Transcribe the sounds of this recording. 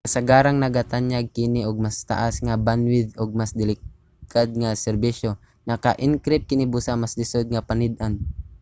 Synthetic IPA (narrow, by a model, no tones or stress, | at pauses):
asaɡaːɾaŋnɐɡat̪aɲaɡ̚kɪnɪʔoɡ̚mast̪a̰ʔasŋabanwɪd̪ʊɡ̚masd̪ɪlɪk | kad̪̚ŋasɛɾbiʃo | nɐkaʔɪŋkɾɪp̪̚kɪnɪbusamasd̪ɪsod̪̚ŋapanɪd̪an